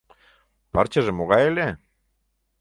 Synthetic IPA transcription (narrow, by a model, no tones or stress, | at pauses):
pɑɾt͡ɕɑʒĕmoɣɑjele